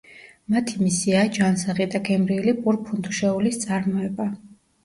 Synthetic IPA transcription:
mat̪ʰimisiaːd͡ʒansaʁid̪aɡʰʼɛmɾilipʼuɾpʰund̪ʰuʃɛulist̪sʼaɾmɔɛba

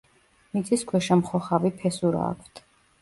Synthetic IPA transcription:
mit̪sʼiskʰwɛʃɛmχɔχavipʰɛsuɾa̰ːkʰt̪ʰ

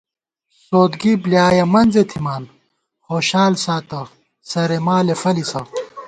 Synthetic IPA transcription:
soːd̪ɡibljaːjɐmɐnzet̪ʰimaːn | hoːɕaːlsaːt̪ɐ | sɐɾemaːlefɐlisɐ

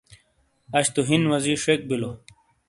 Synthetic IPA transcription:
ɐɕt̪uɦinwɐziʂek̚bilo

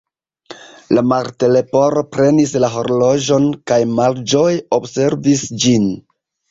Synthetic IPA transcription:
lamaɾtele̞po̞ɾo̞pɾe̞nislaɦo̞ɾlo̞d͡ʒo̞nkajmald͡ʒo̞jo̞bse̞ɾvisd͡ʒin

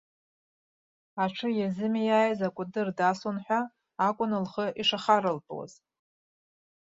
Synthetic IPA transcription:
aʈ͡ʂʰɨjazɨmijaːjzakʷʼʊdɨrdasonħʷᶣaː | kʷʼʊnɨlχəʔiʂaχaɾɨlpʼwa̰z

